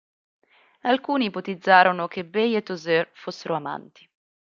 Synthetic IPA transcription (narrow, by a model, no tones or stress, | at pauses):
alkuːnipot̪id̪zːaːɾonok̟ebejet̪ːozørfosːeɾoama̰nt̪i̥